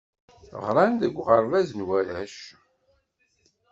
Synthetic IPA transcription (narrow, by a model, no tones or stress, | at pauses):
ʁɾˤɑnðəɡʷʁəɾˤvæznwæɾæʃ